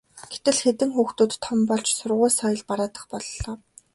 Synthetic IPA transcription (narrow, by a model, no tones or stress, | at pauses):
ɡ̥et̪ɘ̆ɮxet̪ɘ̆ŋxuːxt̪uːt̪ʰːɔmpɔɮt͡ɕsʊrʁʊːsɔjə̆ɮpaɾaːt̪ə̆χpɔɮːɔː